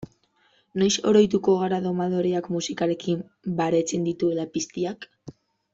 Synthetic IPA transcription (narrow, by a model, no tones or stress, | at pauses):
no̞jso̞̰ɾo̞jt̪uko̞ɣ̞aɾaðo̞maðo̞ɾeakmusikaɾe̞kim | baɾe̞t͡se̞nd̪it̪ue̞lapist̪iak